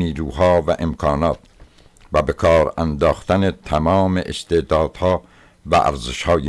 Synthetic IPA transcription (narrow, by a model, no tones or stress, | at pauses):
niːɾuːhɒːvæʔemkʰɒːnɒːt̪̚ | væbekʰɒːɾænd̪ɒːxt̪ænet̪ʰæmɒːmeʔest̪ed̪ɒːd̪̥hɒː | væ̰ʔæ̰ɾzeʃhɒːj